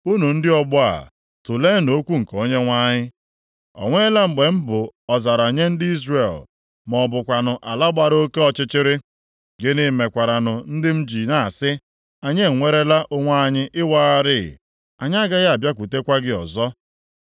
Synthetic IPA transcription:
u˦nu˨n̩˦dɪ˦ɔ˨bʊ˦a̰˨ | tʊ˨le˦no˦kʷu˦ŋ̩˨ko˦ɲe˦ŋʷa˦ɲɪ˦ | ɔ̰˨ŋʷe˦la˦m̩˨ɡ͡be˨m̩˦bʊ˨ɔ˨za˨ɾa˨ɲe˦n̩˦dɪ˦i˦zre˨l | mɔ˨bʊ˨kʷa˨nʊ˨ʔa˨la˦ɡ͡ba˨ɾo˦ke˦ɔ˦˨t͡ʃɪ˦t͡ʃɪ˦ɾɪ˦ | ɡɪ˦nɪ˦˨me˨kʷa˨ɾa˨nʊ˨n̩˦dɪ˦m̩˦d͡ʒi˨na˨a˨sɪ˦ | a˨ɲe˦˨ŋʷe˦ɾe˦la˦ʔo˦ŋʷa˦˨ɲɪ˦ʔɪ˦wa˦a˦ɾɪ̰˦˨ | a˨ɲa˦ɡa˦ɣa˨bja˦kʷu˨te˦kʷa˦ɡɪ˦ɔ˨zɔ˦

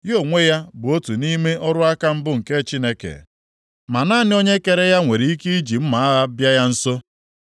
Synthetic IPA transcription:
jo˦˨ŋʷe˦ja˦bʊ˨o˦tu˨ni˦me˦ʔɔ˦ɾʊ˦a˦ka˦m̩˦bʊ˦ŋ̩˨ke˦t͡ʃi˦ne˦kḛ˨ | ma˨na˦nɪ˦o˦ɲe˦ke˨ɾe˦ja˦ŋʷe˨ɾi˨i˦ki˦i˦d͡ʒi˨m̩˦ma˨a˦a˦bja˦ja˦n̩˦so˦

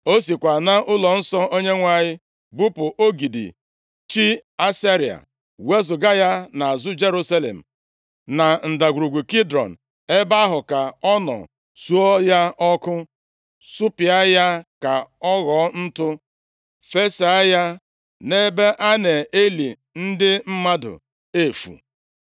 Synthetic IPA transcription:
o˦s̬i˨kʷa˨na˦ʔʊ˦lɔ˨n̩˦sɔ˦ʔo˦ɲe˦ŋʷa˦ɲɪ˦ | bu˦pʊ˨ʔo˦ɡi˨dḭ˨ | t͡ʃi˦a˦sa˦ɾi˨a̰˨ | we˦zʊ˨ɡa˦ja˦na˨a˨zʊ˦d͡ʒe˦ɾu˦sa˦lḛ˨m̩˨ | na˨n̩˨da˨ɡʷu˨ɾu˨ɡʷu˨ki˦dɾɔ̰˨n̩˨ | e˦ba˦ɦʊ˨ka˨ɔ˦nɔ̰˨ | su˦ɔ˦ja˦ʔɔ˦kʊ˦ | su˦pi˨a˦ja˦ka˨ɔ˦ɣɔ˨˦n̩˦tʊ˦ | fe˦sa˨a˦ja˦ | ne˦be˦ʔa˦ne˨e˦lḭ˨ | n̩˦dɪ˦m̩˦ma˦dʊ̰˨ | e˦˨fṵ˨

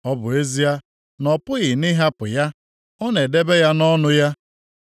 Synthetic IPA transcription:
ɔ˦bʊ˨e˦zi˦a˦ | nɔ˨pʊ˦ɣɪ˨nɪ˦ɦa˦pʊ˨ja˦ | ɔ˦ne˨de˦be˦ja˦nɔ˦nʊ˦ja˦

